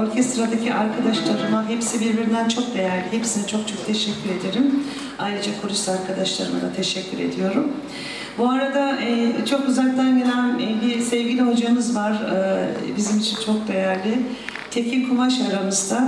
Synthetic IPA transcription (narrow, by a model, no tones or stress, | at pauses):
o̞ɾcʰɛst̪ɾad̪acʰiaɾkʰad̪aʃlˠaɾɯmaɦepsibiɾbiɾind̪ænt͡ʃʰo̞k̚d̪e̞jæɾlʲihepsinit͡ʃʰo̞kt͡ʃʰo̞k̚t̪ʰɛʃɛcʲʰːyɾe̞d̪e̞ɾim | ajɾɯd͡ʒakʰoɾuʃt̪aɾkʰad̪aʃlˠa̰ɾɯma̰d̪at̪ʰeʃɛcʰʲːyɾe̞̰d̪ijo̞ɾum | buaɾad̪aɛːt͡ʃʰo̞køzælʲd̪ælʲved̪ænbiɾsɛvɟilʲiɦo̞d͡ʒaɯmɯzvaɾɯːbizimit͡ʃʰint͡ʃʰo̞k̚d̪e̞jæɾlʲɪ | t̪ʰecʰilʲkʰumaʃaɾamɯzd̪a